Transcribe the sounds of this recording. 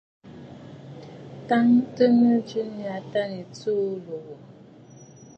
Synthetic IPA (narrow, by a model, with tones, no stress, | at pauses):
ta˦ŋ˦tə˦mə˦d͡ʒi˦ni˦a˨ta˦ni˨tu˦lo˨ɣo˨